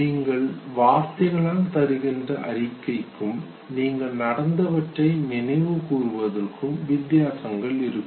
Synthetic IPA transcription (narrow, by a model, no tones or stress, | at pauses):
iːŋɡɐɭʋaːst̪ɐɣɐɭaːmt̪ɐɾɯɣɪndrɐʔɐ̰ɾɪkːɐɪkːɯm | niːŋɡɐɭnɐɽɐnd̪ɐʋɐʈrɐɪnɪnɐɪʋɯkuːrɯʋɐðɐrkɯmʋɪd̪jaːsɐŋɡɐɭɪɾɯkː